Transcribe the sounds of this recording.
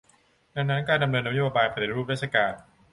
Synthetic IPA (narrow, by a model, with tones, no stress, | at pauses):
da˧ŋna˦˥nkaː˧nda˧mnɤː˧nːa˦˥joː˧baː˧jpʰɾa˩t̪i˦ɾuː˥˩p̚ɾaː˥˩sʰa˧kaː˧n